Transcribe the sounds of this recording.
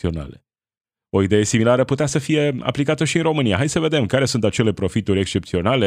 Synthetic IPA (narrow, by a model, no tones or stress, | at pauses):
io̞na̰lḛ | o̞id̪e̞je̞similaɾəput̪easəfije̞a̰plikat̪əʃiɨnɾo̞mɨnija̰ɦaj̪səve̞d̪emkaɾe̞sunt̪at͡ʃe̞le̞pɾo̞fit̪uɾʲe̞kst͡ʃe̞p̚t̪sio̞nale̞